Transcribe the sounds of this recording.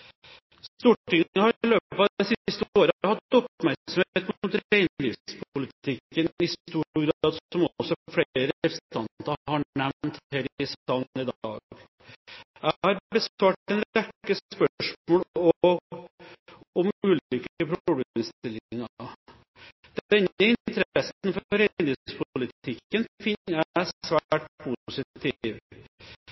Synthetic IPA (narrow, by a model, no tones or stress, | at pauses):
st̪uːʈːɪŋːəhɑɾɪløːpɑɛsɪɪst̪əoːɾəhɑt̪ːɔpmæɾsɔmeːt̪muːt̪æɪnliːʋspʰʊlət̪ɪkːənɪst̪uːɾɡɾɑːd̪sɔmɔɔsːɔfɽeːɾəɪlst̪ɑnt̪ɑhɑɛʋnt̪hæɾɪsɑnɪd̪ɑ̰ːɡ | jæhɑɾbəsɑːʈɛnækːəspœʂmoːlɔ | ɔmʉːlʏkəpʰɾɔbəɪst̪ɪlɪŋːɑ | d̪̥ɛnəɪnt̪ʰəɾɛsnfɔɾɛnd̪ɪspʰʊlɪt̪ɪkːənfɪnːæsʋæːʈpʰusɪt̪ʰiʋ